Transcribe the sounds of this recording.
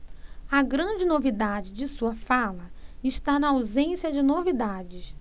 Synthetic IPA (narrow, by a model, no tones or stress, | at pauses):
ɐɡɾɐ̃d͡ʒɪnovid̪ad͡ʒɪd͡ʒɪsuɐfalɐɪʃt̪anɐawzẽsiɐd͡ʒɪnovid̪ad͡ʒɪs